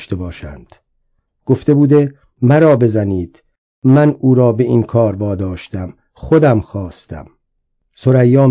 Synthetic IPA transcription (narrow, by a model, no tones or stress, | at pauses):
ʃt̪ebɒːʃænd̪̥ | ɡ̥oft̪e̞buːd̪e̞ | mæɾɒːbe̞zæniːd̪̥ | mænuːɾɒːbe̞inkʰɒːɾvɒːd̪ɒːʃt̪æm | χod̪æmxɒːst̪æ̰m | soɾæjːɒː